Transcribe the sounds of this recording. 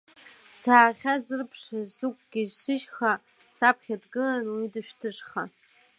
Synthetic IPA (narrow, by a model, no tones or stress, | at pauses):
saːχʲazɨrpʰʂazukʷʼɡʲiʒsɨʃχa | sapʰχʲadɡɨlanwidɨʃᶣtʰɨʂχa